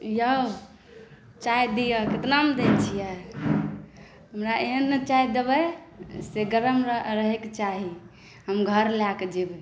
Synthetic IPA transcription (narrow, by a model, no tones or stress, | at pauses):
jə | t͡ʃajd̪ijəket̪namd̪et͡ʃʰijɛ | ɦəmɾaeɦənːet͡ʃaɦid̪ebə | seɡəɾəmɾəɦekt͡ʃaɦi | ɦəmɡʱəɾlaked͡ʒeb